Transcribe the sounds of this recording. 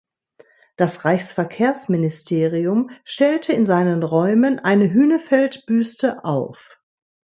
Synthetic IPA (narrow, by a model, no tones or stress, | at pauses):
d̥asʁaɪçsfɛɐkʰeːɐsmɪnɪstʰeːʁiʊmʃtɛltʰəɪnzaɪnənʁɔʏmənʔaɪnəɦyːnəfɛltb̥yːstəʔaʊf